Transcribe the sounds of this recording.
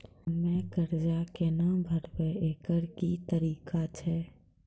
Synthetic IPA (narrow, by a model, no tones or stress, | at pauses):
mɛ̃kəɾd͡ʒakenabʱəɾbeeːkəɾkit̪əɾiːkat͡ʃʰɛː